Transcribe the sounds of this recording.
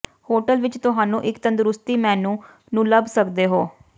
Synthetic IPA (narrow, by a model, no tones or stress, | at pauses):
hoːʈəlʋɪt͡ʃt̪ʊɦaːnũːʔɪkt̪ənd̪ɾʊst̪iːmɛ̃ːnũː | nũːləbsəkd̪eːɦoː